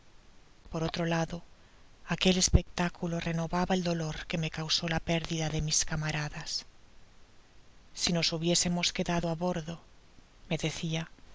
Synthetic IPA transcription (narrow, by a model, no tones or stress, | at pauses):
po̞ɾo̞t̪ɾo̞laðo̞ | ake̞le̞spe̞k̚t̪akulore̞no̞βaβae̞ld̪o̞lo̞ɾke̞me̞kawso̞lape̞ɾðiðaðe̞miskamaɾaðas | ino̞suβje̞se̞mo̞ske̞ðaðoaβo̞ɾðo̞ | me̞ðe̞θia